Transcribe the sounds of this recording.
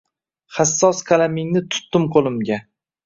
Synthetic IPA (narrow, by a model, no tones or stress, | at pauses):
χasːɒskʰalamɪŋnɪt̪ʰʊ̥t̪ːɪmqʰolˠɪmɡʲa